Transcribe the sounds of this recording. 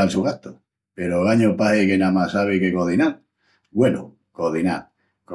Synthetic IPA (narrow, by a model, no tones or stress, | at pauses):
alsuɣat̪o | peɾoɣaɲopahekenamasaβ̞eke̞koðinaɾ | ɡwelo̰ | koðina̰ | ko